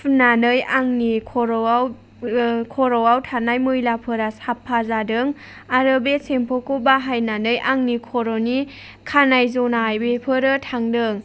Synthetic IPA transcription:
nanɯjaŋnikʰɔɾɔaw | kʰɔɾɔwawtʰanajmɯjlapʰɯɾasapʰːazadɯŋ | aɾɯbesempʰɔkubaɦajnanɯjʔaŋnikʰɔɾɔni | kʰanajzonaːjbepʰɯɾɯtʰaŋdɯŋ

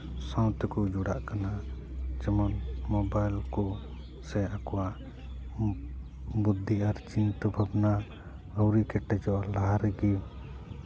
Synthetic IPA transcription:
sãw̃t̪ɛkɔd͡ʒuɽa̰ʔkanat͡ʃɛmɔnmɔbajlkɔ | sɛakɔwaʔ | bud̪ʱːiʔaɾt͡ʃint̪ɔbʱabna | ɔwɾikɛʈːɛd͡ʒɔʔlaɦaɾɛɡi

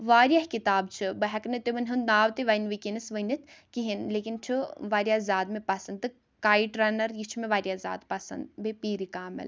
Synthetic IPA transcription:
ʋaːɾijɐhkit̪aːbt͡ʃʰɨbɐɦɐknɨt̪iʋɐnʲɦɨnnaːʋt̪iʋainʋikʲinɨsʋənit̪ʰkiɦinleːkint͡ʃʰuʋaːɾjazaːd̪mẽpɐsɐnd̪ɨ | kaːiʈɾaːnɐɾjit͡ʃʰumẽʋaːɾjaza̰ːd̪pɐsɐ̰nd̪bepiːɾikaːmɐ̰l

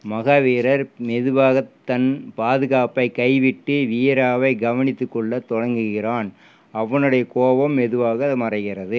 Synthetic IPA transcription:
mɐɣaːʋeːɾɐɾmɛðɯʋaːɣɐt̪ːɐnpaːðɯɣaːpɐɪkɐɪʋɪʈːɯʋiːɾaːʋɐɪɡɐʋɐnɪt̪ːɯkːɔɭːɐt̪ɔɻɐŋɡɯɣɪraːn | ɐʋːɐnɯɽɐjɐkoːʋɐmːɛðɯʋaːɣɐmɐrɐɪɣɪrɐðɯ

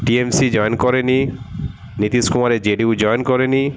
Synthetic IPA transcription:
ʈiemsid͡ʑɔjnkɔɾeni | nit̪iskumaɾed͡ʑeɖiud͡ʑɔjnkɔɾeni

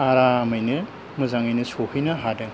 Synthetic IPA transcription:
aɾamɯjnɯ | mɯzaŋɯjnɯsohɯjnɯɦadɯŋ

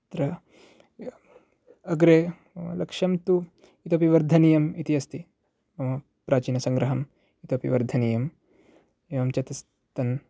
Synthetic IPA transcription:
t̪ɾɐ | ɐɡɾeː | mɐ̰lɐkʂɐmt̪u | it̪opiʋɐɾd̪ʱɐnijɐmit̪iɐst̪i | ɐmɐ | pɾaːt͡ʃiːnɐsɐŋɡɾɐɦɐm | it̪opiʋɐɾd̪ʱɐniːjɐm | eːʋɐmt͡ʃɐt̪ɐs | t̪ɐn

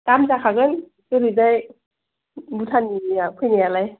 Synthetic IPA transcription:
kamzakʰaɡɯn | kɯɾizaj | butʰaniapʰɯjnajalaj

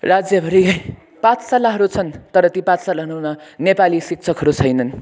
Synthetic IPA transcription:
rad͡zjʌbʱʌɾi | pãt͡sʰsalaɦʌɾut͡sʰʌnt̪ʌɾʌt̪ipãt͡ssalaɦʌnunʌnepalisik̚t͡sʰʌkɦʌɾut͡sʰʌjnʌn

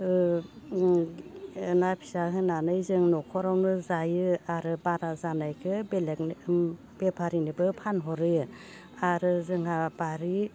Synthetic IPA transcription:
ɯ | napʰi̥saɦɯnanɯjzɯŋnɔkʰɔɾawnɯzajɯaɾɯbaɾazanajkʰɯbelek̚n | b̥epʰaɾinibɯpʰanɦɔɾɯ | aɾɯzɯŋabaɾi

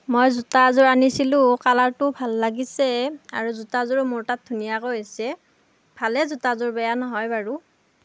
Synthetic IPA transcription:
mojzutazʊɹanisilʊ̃kalaɹtʊbʱalːaɡisɛa̰ɹuzutazʊɹmʊɹtat̚dʱunijakojasɛ | b̥ʱalɛzutazʊɹbɛjanɔɦɔjbaɹu

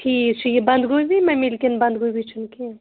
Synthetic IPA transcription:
ʈʰiːt͡ʃʰujebɐnd̪ɡujbʱimɛ̃milkenbɐ̃nd̪ɡujbʱit͡ʃʰunke

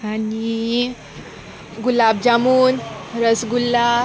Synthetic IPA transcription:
ani | ɡulab̚d͡ʑamuːnɾəsɡulːa

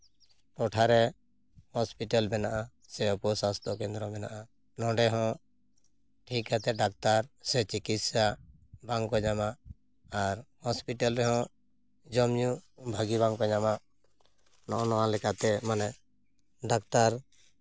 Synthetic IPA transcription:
ʈɔʈʰaɾɛ | hɔspiʈalbɛnaʔa | sɛɔpɔsast̪ɔkɛnd̪ɾɔmɛnaʔa | nɔ̃ɖɛɦɔ̃ | ʈʰikat̪ɛɖak̚t̪aɾsɛt͡ʃikit̪sa | baŋkɔɲamaʔ | aɾhɔspiʈalɾɛɦɔ̃ | d͡ʒɔmɲubʱaɡibaŋkɔɲamaʔ | nɔʔɔ̃nɔwãlɛkat̪ɛmanɛ | ɖakt̪aɾ

